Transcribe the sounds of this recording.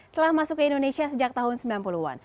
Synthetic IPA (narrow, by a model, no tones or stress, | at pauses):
t̪əlahmasʊkːəindonesiasəd͡ʒak̚t̪aɦʊnsəmbilampuluwa̰n